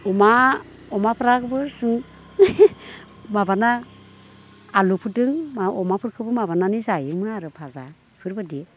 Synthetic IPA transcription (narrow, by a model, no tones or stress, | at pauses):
ɔma | ɔmapʰɯɾakʰɯbɯsɯŋ | mabana | lupʰɯdɯŋmɔmapʰɯɾkʰɯbɯmaβananizajɯŋmɯnaɾɯpʰaza | pʰɯɾbɯdie